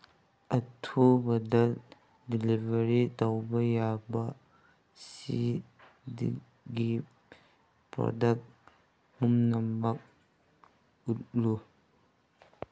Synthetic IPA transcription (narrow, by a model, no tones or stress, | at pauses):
ʔɐtʰubɐdɐl | dilivɐɾitɐwbɐjaba | sḭ | di | ɡi | pɾɔ̰dɐk̚t̚ | mumnɐmːɐk̚ | ut̚lu